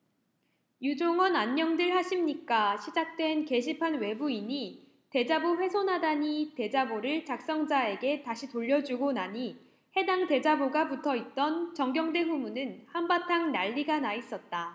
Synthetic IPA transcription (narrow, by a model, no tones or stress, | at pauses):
jud͡ʑoŋʌnaɲːʌŋdɯɭɦaɕʰimɲik͈aɕʰid͡ʑak̚t͈we̞nke̞ɕ̬ʰipʰanwe̞buiɲi | te̞d͡ʑaboɸwe̞sʰonɦadaɲite̞d͡ʑaboɾɯɭt͡ɕak̚s͈ʌŋd͡ʑae̞ɡe̞taɕʰitoʎːʌd͡ʑuɡonaɲi | he̞daŋte̞d͡ʑaboɡaputʰʌit̚t͈ʌnt͡ɕʌŋɡjʌŋde̞ɸumunɯnhambatʰaŋnaʎːiɡanais͈ʌt̚t͈a